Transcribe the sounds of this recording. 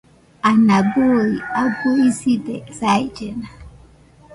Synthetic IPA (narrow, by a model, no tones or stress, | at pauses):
anaɡoɾiaɡoisidɛsaid͡ʒɛna